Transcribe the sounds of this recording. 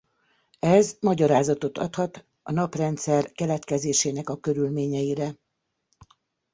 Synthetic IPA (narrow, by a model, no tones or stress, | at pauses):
ɛzmɒɟɒɾaːzɒt̪o̞t̪ʰɒ̰t̪hɒt̪ | ɒnɒprɛnt̪sɛrkɛlɛt̪kɛzeːʃeːnɛkɒkøɾylmeːɲɛjiɾɛ